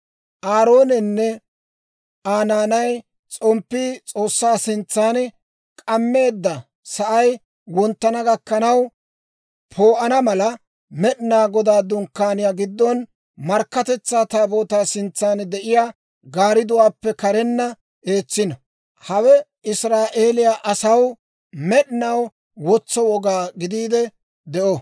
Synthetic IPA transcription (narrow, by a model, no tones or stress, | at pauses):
ʔaːɾo̞ːnɛnːɛ | aːnaːnɐj | t͡sʼɔmpːiːt͡sʼo̞ːsːaːsɪnt͡sːaːn | kʼɐmːe̞ːd̪ːɐ | sɐʔɐj | wɔnt̪ːɐnɐɡɐkːɐnɐw | pʰo̞ːʔɐnɐmɐlɐ | mɛɗnaːɡɔd̪aːd̪ʊnkːaːnɪjaːɡɪd̪ːɔn | mɐɾkːɐt̪ɛt͡sːaːt̪aːboːt̪aːsɪnt͡sːaːnd̪ɛʔɪjaː | ɡaːɾɪd̪ʊwaːpːɛkɐɾɛnːɐ | ʔe̞ːt͡sːɪnɐ | hɐwɛ | ɪsɾaːʔe̞ːlɪjaʔɐsɐw | mɛɗɪnɐw | wɔt͡sːɔwɔɡaːɡɪd̪iːd̪ɛ | d̪ɛʔɔ